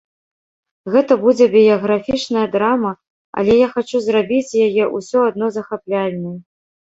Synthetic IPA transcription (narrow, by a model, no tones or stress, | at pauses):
ɣɛt̪ɐbud͡zʲɛbʲijɐɣɾafʲit͡ʂnɐjɐd̪ɾamɐ | ɐ̰lʲɛjaxat͡ʂuzrabʲit͡sʲjajɛʔusʲɔad̪̚nɔzɐxaplʲalʲnʲɐ